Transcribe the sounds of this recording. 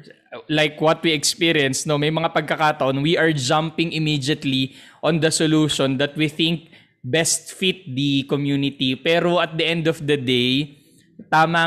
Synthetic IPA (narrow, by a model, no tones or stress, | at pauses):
lajkwɔt̪̚wiɛkspiɾiɛnsnomɐjmɐŋapɐɡ̚kɐkat̪ɐʔonwiʔɐɹd͡ʒampɪ̃ŋɪmid͡ʒɐt̪liʔɔ̃nd̪ɐsoluːʃond̪ɐt̪̚wiθɪ̃ŋk̚ | bɛst̪̚fit̪̚d̪ikomjunɪt̪ipɛːɾoʔɐt̪̚d̪ɐʔɛ̃nd̪ɔfd̪ɐd̪ej | t̪aːmɐ